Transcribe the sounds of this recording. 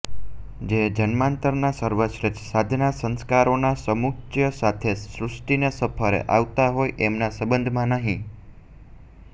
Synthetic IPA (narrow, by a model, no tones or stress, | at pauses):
d͡ʒed͡ʒənmãnt̪əɾnasəɾʋəʃɾət͡ʃsad̪ʱnasə̃nskaɾonasəmuktjəsat̪ʰesɾʊsʈinesəpʰəɾḛʔaʋt̪aɦojʔemnasəbənd̪ʱmãnəɦĩ